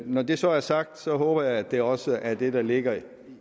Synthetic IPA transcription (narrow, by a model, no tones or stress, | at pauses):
nɒd̥e̝sɒ̽æɐsɑ̈ɡ̥̚d̥sɒ̽ɦoːb̥ɐjɑ̈ɪæd̥e̝ɒ̽səʔæɐd̥e̝d̥ɑ̈le̝ɡ̥ɐ